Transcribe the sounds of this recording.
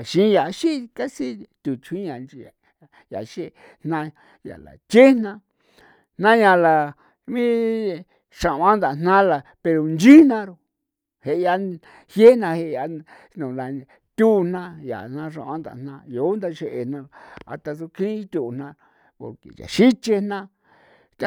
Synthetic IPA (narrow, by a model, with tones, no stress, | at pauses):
a˨ʃĩ˦ja˨˧ʃi˦˧ka˦si˦t̪u˨t͡ʃʰĩ˦ã˨nd͡ʒi˧a˨ | ja̰˨ʃe˦˧ | nnã˧ | ja̰˨la̰˨t͡ʃe˦nã˧ | nnã˦ɲã˧la˨ | mĩ˦ | ʂa˨ʔwã˦nd̪a˨˧nnã˦la˨pe˧ɾo˨nd͡ʒi˦nã˧ɾo˧ | he˨ʔa˧ | hje˦nã˧he˧˨˧a˧ | nũ˨la˨ | t̪ʲu˦˧n̥nã˦ja̰˨n̥ã˧ʃã̰˧˨ʔã˦nd̪a̰˨n̥ã˧jo˨˦nd̪a˧ʃe˧ʔe˧˨nã˧˨a̰˧t̪a˧so˧kʰĩ˦t̪u˧ʔn̥ã˧˨ | ko̰˨kḭ˨ja̰˨ʃi˦t͡ʃe˧nã˦˧